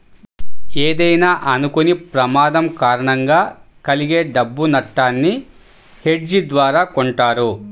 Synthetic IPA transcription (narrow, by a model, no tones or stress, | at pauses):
eːd̪ɐjnaːʔɐnukunipɾɐmaːd̪ɐmkaːɾɐɳɐŋɡaː | kɐliɡeːɖɐbːunɐʈːaːnːi | heɖd͡ʒid̪ʋaːɾaːkoɳʈaːɾu